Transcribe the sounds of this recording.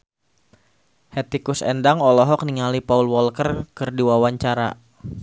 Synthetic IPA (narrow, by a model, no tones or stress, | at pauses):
hɛt̪ikʊsɛ̰ndaŋɔlɔɦɔk̚niŋalipaulwɔlkərkɨrdiwawaɲt͡ʃaɾa̰